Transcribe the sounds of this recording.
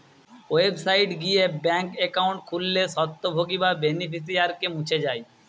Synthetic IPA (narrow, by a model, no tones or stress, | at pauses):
websaiʈɡiebɛŋkekaũɳʈ̚kʰulːesɔt̪ːobʱoɡibabenipʰis̬iaɾkemũt͡ʃʰed͡ʒaːj